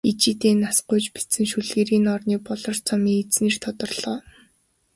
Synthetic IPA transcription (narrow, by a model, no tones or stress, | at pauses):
it͡ɕiːt̪eːnːasqʊjt͡ɕpi̥t͡sɘ̆ŋʃuɮɣeːɾiːnɔrniːpɔɮɞ̆r̥t͡sʰɔmiːŋet͡sneːr̥t̪ʰɔt̪ɞ̆rɮ̥ɔː